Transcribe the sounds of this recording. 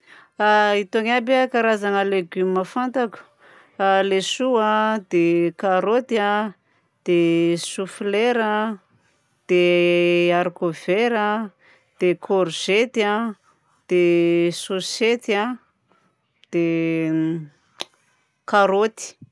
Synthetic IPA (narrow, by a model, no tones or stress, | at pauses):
ait̪oŋabakaɾazanəleɡyməfant̪akʲu̥ | alesuad̪ekaɾot̪ia | d̪̥esufileɾa | d̪̥e | aɾkov̥eɾa | d̪̥ekʰoɾʒet̪ia | d̪̥esoset̪a | d̪̥e | kaɾot̪i̥